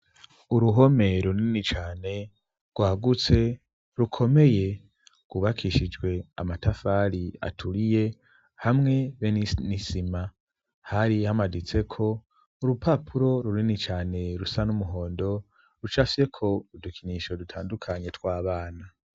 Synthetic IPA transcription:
uɾuɦo̞me̞ɾoninit͡ʃaːne̞ | ɡwaːɡut͡se̞ | ɾukʰo̞me̞je̞ | kɡ̥uβakʰiʃid͡ʒɡwe̞a̰matafaɾia̰tʰuɾije̞ | hamŋe̞βeninisima | haɾihamadit͡se̞kʰo̞ | uɾupapʰuɾo̞ɾuɾinit͡ʃaːne̞ɾusanumuɦo̞ːndo̞ | ɾut͡ʃasiɾe̞kʰo̞udukʰiniʃo̞dutʰaːndukʰaɲe̞twaːβaːna

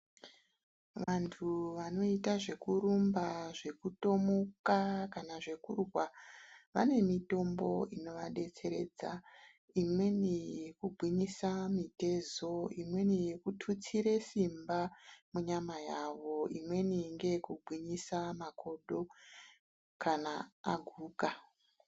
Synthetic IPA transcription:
ʋantʰuʋano̞itaʐe̞kuɾumbaʐe̞kuto̞mokakanaʐe̞kurwaʋa̰ne̞mito̞mbo̞ino̞ʋaɗe̞t͡se̞ɾe̞̰ːd͡za | imwe̞nijekuɡʱwiɲisamite̞zo̞imwe̞nijekutʰut͡siɾe̞simbamuɲamajaʋo̞imwe̞niŋɡe̞jekubʱwiɲisamakʰo̞ɗo̞ | kanaːɡʱuːka

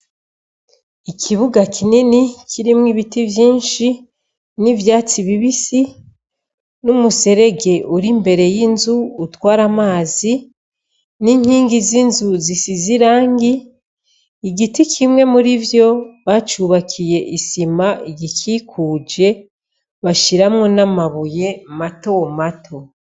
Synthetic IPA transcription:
ikʰiβuɡakʰininikʰiɾimŋiβitivjiːnʃi | nivjaːt͡siβiβisi | numuse̞ɾe̞ɡe̞ʔuɾimbe̞ɾe̞jinzuːtwaːɾamaːzi | niŋ̥hiːŋɡizinzuzisiziɾaːŋɡiː | ɡitikʰimŋe̞muɾivjo̞βat͡ʃuβakʰije̞ʔisimaiɟikʰiːkʰuːd͡ʒe̞ | βaʃiɾamŋo̞namaβuje̞mato̞matʰo̞

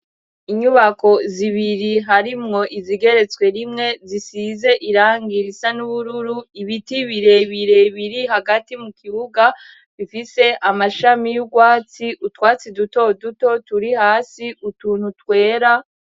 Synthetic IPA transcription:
iɲuβako̞ziβiɾiɦaɾimŋo̞ʔiziɡe̞ɾe̞t͡swe̞ɾimŋe̞zisize̞ʔiɾaːŋɡiɾisanuβuɾuɾuiβitiβiɾe̞βiɾe̞βiɾiɦaɡatimukʰiβuɡa | βifise̞ʔamaʃamijuɡwaːt͡siʔutwaːt͡siduto̞duto̞tuɾihaːsiutuːn̥hutwe̞ːɾa

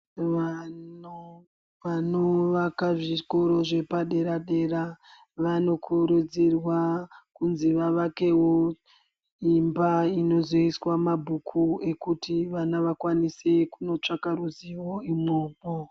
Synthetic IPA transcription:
ʋao | ʋanoʋakaʐikoɾo̞ʐe̞paɗe̞ɾaɗe̞ra | ʋano̞kʰuɾud͡zirwakunziʋaʋake̞wo̞ | imbaino̞zoiswamabʱukʰue̞kutiʋanaʋakwanise̞kuno̞t͡ʂakaɾuziwo̞imoːɓo

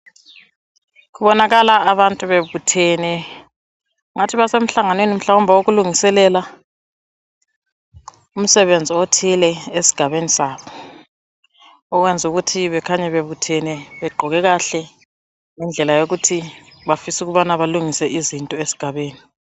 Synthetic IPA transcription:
kuβɔnaɣalaːβantʼuβeβutʰɛnɛ | ŋatʰiβasem̩ɬaŋanwenim̩ɬawɔmbʱawoɣuluŋisɛlɛla | um̩sɛβend͡zʱiotʰilɛesi̥ɡ̥ʱaβenisaːβɔ | ɔɣwɛnd͡zʱuɣutʰiβɛkʰaɲɛβeβutʰɛnɛβɛɡ͡ǃʱɔɣɛɣaɬɛ | ŋɛnd͡ɮʱɛlajoɣutʰi | βafisuɣuβanaβaluŋisɛʔizintʼɔesi̥ɡ̥ʱaβeːni

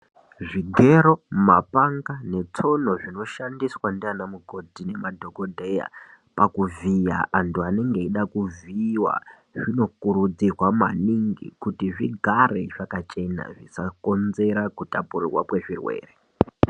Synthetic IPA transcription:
ʐiɡʱe̞ɾo̞mapaŋɡane̞t͡so̞no̞ʐino̞ʃandiswandianamuɡʱo̞dʱine̞madʱo̞ko̞dʱeja̰ | pakuvija̰antuane̞ŋɡe̞iɗakuviwa̰ | ʐino̞kuɾud͡zirwama̰niŋɡḭkutiʐiɡʱare̞ʐakat͡ʃe̞na̰ʐisako̞nze̞ɾakutapurirwa̰kwe̞ʐirwḛːre

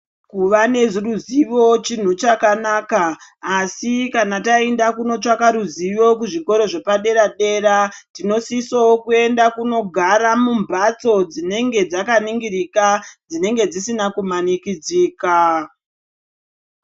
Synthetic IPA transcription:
kuʋane̞ʐiruziʋo̞t͡ʃin̤ut͡ʃakanaːkaːsikanataendakuno̞t͡ʂakaɾuziʋo̞kuʐiko̞ɾo̞ʐe̞paɗe̞ɾaɗe̞ɾatino̞sisowokue̞ndakuno̞ɡʱaɾamumbʱat͡so̞d͡zine̞ŋɡe̞d͡zakaniŋɡiɾikad͡zine̞ŋɡe̞d͡zisinakumanikid͡ziːka

